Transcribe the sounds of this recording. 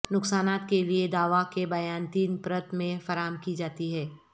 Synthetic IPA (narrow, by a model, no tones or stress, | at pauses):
nʊksaːnaːt̪kelied̪aːʋakebɐjaːnt̪iːnpɾət̪mẽfɐɾaːəmkid͡ʒaːt̪iɦɛː